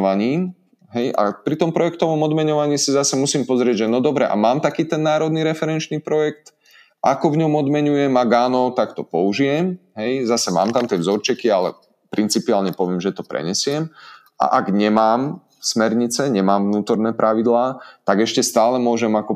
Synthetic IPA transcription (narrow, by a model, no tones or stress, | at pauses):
ʋaɲiːm | ɦɛjʔa̰pɾit̪ɔmpɾɔjɛk̚t̪ɔʋɔmɔd̪mɛɲɔʋaɲiːsizasɛmusiːmpɔzɾɪɛɟʒɛnɔd̪ɔbɾɛʔa̰maːmt̪akiːt̪ɛnːaːɾɔd̪niɾɛfɛɾɛnt͡ʃniːpɾɔjɛkt̪ | ʔakɔvɲɔmɔd̪mɛɲujɛmaɡaːnɔt̪akt̪ɔpɔuʒijɛmɦɛjzasɛma̰ːmt̪amt̪ɪɛvzɔɾt͡ʃɛkialɛ̰ | pɾint͡sipiaːlɲɛpɔʋɪɛmʒɛt̪ɔpɾɛ̰ɲɛsɪɛm | a̰ʔaɡɲɛmaːm | smɛɾɲit͡sɛɲɛmaːmvnuːt̪ɔɾnɛːpɾʔaʋid̪laːt̪aɡɛʃcɛst̪aːlɛmʊɔʒɛmakɔ